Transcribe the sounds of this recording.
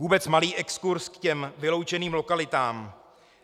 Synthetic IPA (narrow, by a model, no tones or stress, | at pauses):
uːbɛt͡smaliːʔɛkskuɾskcɛmvɪlo̞wt͡ʃɛniːmlo̞kalɪt̪aːm